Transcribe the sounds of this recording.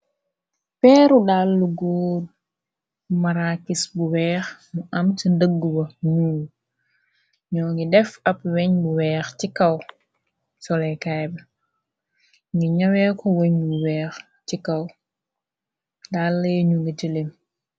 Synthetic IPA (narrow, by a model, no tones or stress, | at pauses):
pɛːɾuɗalːuɡoː | maɾakisbuwɛːxmuʔamtindəɡːuwɐɲuːɡ | ɲɔːŋɡidɛfapwɛɲbuwɛːxtikaw | sɔlɛkajbɛ | ŋɡiɲawɛkɔweɲbuwɛːx | tikaw | dalːeɲuŋɡit͡ʃilim